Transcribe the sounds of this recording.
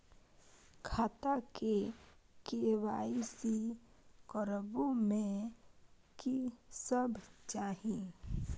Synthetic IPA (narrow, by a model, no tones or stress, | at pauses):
kʰaːt̪akekeːwaːisikɔɾəbõmẽ | kisəbt͡ʃaːɦĩ